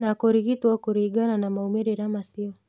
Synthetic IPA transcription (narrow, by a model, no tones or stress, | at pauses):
nakɔɾiɣituwakuɾiɡananamaumiɾiɾamasiɔ